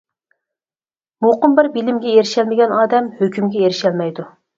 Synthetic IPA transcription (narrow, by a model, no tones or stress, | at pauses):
moqʊmbɪɾbilɪmɡʲɛjeɾɪʃɛlmɪɡʲɛnɑːd̪ɛmhøkʲymɡʲɛjeɾɪʃɛlmɛjd̪u